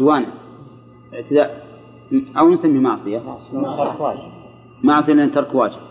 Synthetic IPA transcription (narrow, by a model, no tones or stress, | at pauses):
waːna | ʔɪʕt̪ɪd̪aʔ | ʔawnsamːimɑʕsˤɨja | kaːd͡ʒ | maʕsˤɨjalnt̪ɑɾˤkwaːd͡ʒɪb̥̚